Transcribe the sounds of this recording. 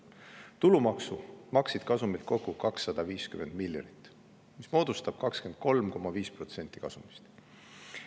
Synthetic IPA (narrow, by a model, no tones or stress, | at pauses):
t̪ulumɑksumɑksid̪̥̚kɑsumilt̪kokːˑukɑksːɑd̪̥ɑviːskyme̞nd̪̥miljɑ̰nit̪ːˑ | mismo̞ːd̪̥ust̪ɑb̥̚kɑkske̞nd̪̥̚ko̞lmko̞mɑviːsprot̪se̞nʲt̪ːˑi̥kɑ̰sumi̥st̪